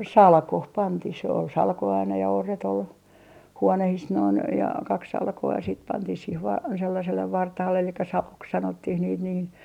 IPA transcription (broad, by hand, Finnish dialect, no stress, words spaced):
sɑlkoh pɑntih sĕ ol sɑlko ɑinɑ jɑ orːet ol huonehis noin jɑ kɑk sɑlkoɑ siːt pɑntih siːh ʋɑː selːɑselːeʋ ʋɑrtɑhɑlːe elikːæ sɑlok sɑnotːih niːt niː